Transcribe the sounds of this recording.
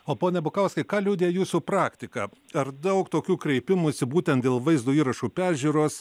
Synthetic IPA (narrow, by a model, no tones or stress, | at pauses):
oːpoːnʲɛbʊkɐʊskɐɪkɑːlʲuːd̪ʲeːjuːsupɾɑːkt̪ʲɪkɑːɐɾd̪ɐʊkt̪oːkʲuːkɾʲɛɪpʲɪmuːɪsʲɪbuːt̪ʲɛnt̪̚d̪ʲeːlˠʋɐɪzd̪oːiːɾɐʃuːpʲæːʒʲuːɾoːs